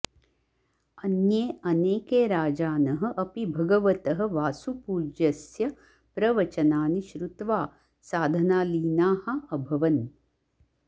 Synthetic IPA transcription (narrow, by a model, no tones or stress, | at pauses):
ɐnjeːɐneːkeːɾaːd͡ʒaːnɐɦɐ̆ʔɐpibʱɐɡɐʋɐt̪ɐɦɐ̆ʋaːsupuːd͡ʒɐsjɐ | pɾɐʋɐt͡ʃɐnaːniʃɾut̪ʋaː | saːd̪ʱɐnaːliːnaːhɐ̆ɐbʱɐʋɐn